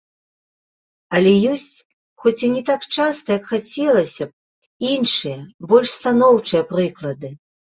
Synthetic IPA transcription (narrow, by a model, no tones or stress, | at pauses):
ɐlʲɛjɔsʲt͡sʲ | xɔt͡sʲinʲɛt̪akt͡ʂast̪ɐjɐkxat͡sʲɛlˠɐsʲɐ | inʂɨjɐbɔlʲʂst̪anɔwt͡ʂɨjɐpɾɨklˠɐd̪ɨ